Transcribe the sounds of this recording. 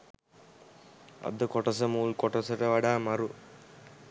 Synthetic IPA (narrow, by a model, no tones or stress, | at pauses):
ɐ̰d̪ɐkɔʈɐsɐmuːlkɔʈɐsɐʈɐʋɐɽaːmɐɾu